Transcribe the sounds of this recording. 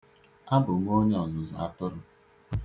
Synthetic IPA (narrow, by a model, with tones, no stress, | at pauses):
a˦bʊ˨ŋʷ˦o˦ɲe˦ɔ˨zʊ˨zɔ̰˨a̰˦tʊ˦ɾʊ˦˨